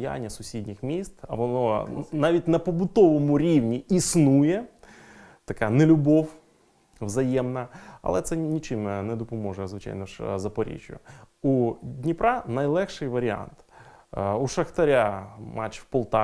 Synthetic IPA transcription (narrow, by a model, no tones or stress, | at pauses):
ja̰nʲːɐsʊsʲidʲnʲɪxmʲist̪ɐʋɔnɔnɑʋʲitʲnɐpɔbʊt̪ɔʋɔmʊɾʲiwnʲiisnujɛ | t̪ɐkɑnelʲʊbɔw | ʋzɐjɛmnɐɐ̰lˠɛt̪sɛnʲit͡ʃɪmnɛd̪ɔpɔmɔʒʊzʋɪt͡ʃa̰jnɔʃzɐpɔɾʲḭt͡ʃʲʊjʊudʲnʲipɾɑnɐjlˠɛxʃɪjʋɐɾʲɪa̰nt̪ | uʃɐxt̪ɐɾʲamʔɑt͡ʃwpɔlˠt̪ɑ